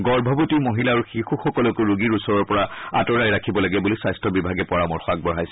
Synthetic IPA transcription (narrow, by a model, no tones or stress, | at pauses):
ɡɔɹbʱɔbotimoɦilaːɹuxixuxɔkɔlɔkʊɹuɡiɹusɔɹɔɹpɔɹaa̰tɔɹajɹakʰibɔlaɡɛbulisajstʰɔbibʱaɡɛpɔɹamɔɹxɔaɡ̚bɔɹɦajsɛ